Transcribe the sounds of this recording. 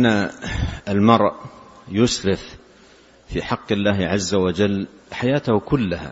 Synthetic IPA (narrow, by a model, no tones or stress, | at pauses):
ʔnːa | almɑɾˤʔjʊsɾɪf | fiːħɑqːɪlːaːhʕazːawad͡ʒalː | ħajaːt̪ahkʊlːaha̰